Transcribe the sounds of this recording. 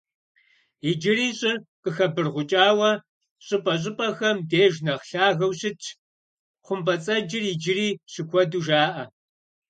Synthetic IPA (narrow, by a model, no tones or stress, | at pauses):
id͡ʒɪɾiːɕʼɪrqəxɐbɨrʁʷʊt͡ʃʼaːwɐ | ɕʼɪpʼɐɕ̬ʼɪpʼɐxɐmdeːʒnɐχɬaːɣɐwɕɪt͡ʃʰ | χʷʊmpʼɐt͡sʼɐd͡ʒɪrid͡ʒɪɾiːɕɪkʷʰɔduʒaːʔɐ